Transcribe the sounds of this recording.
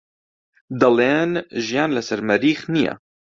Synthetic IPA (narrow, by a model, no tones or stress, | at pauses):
d̪ɐleːnʒijaːnləsɐɾmɐɾiːxnija̰